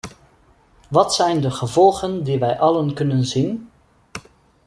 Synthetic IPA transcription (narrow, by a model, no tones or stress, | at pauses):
ʋɑtsɛjndəχəvɔlˠɣəndiʋɛjʔɑlənkɵnənzin